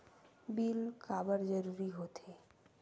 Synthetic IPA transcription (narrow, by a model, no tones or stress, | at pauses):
bilkabəɾd͡ʒəɾuɾiɦot̪ʰe